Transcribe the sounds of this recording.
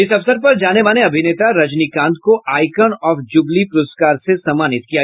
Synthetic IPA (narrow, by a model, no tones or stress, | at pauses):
ɪsɐfsəɾpɐɾd͡ʒaːneʋaːleɐbʱɪneːt̪aɾɐd͡ʒnikãːnd̪̚koaːɪkənɔːfd͡ʒʊblipʊɾʊskaːɾsesɐmaːnɪt̪̚kija